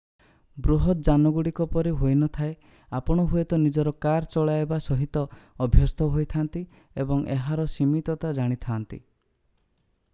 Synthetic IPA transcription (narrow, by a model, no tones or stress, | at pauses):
bɾuɦɔt̪̚d͡ʒanɔɡuɽikɔpɔɾiɦojnɔt̪ʰae | apɔɽ̃ɔɦuet̪ɔnid͡ʒɔɾɔkaɾt͡ʃɔɭaebasɔɦit̪ɔːbʱjɔst̪ʰɔɦojt̪ʰant̪i | ebɔŋʔeɦaɾɔsimit̪ɔt̪ad͡ʒaɽ̃it̪ʰaːnt̪ḭ